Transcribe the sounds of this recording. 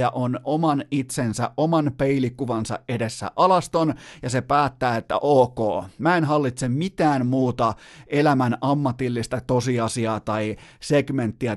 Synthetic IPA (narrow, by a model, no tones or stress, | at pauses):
ɑʔonʔomɑnit̪sensæ̰ʔʔomɑnpeilikːuʋɑnsɑ̰ʔʔedesːæ̰ʔɑlɑst̪onjɑsepæːt̪ːæːet̪ːæ̰ʔoːko̰ːmæenɦɑlːit̪semmit̪æːnmuːt̪ɑelæmænʔɑmːɑt̪ilːist̪ɑt̪osiɑsiɑːt̪ɑiseɡment̪ːiæ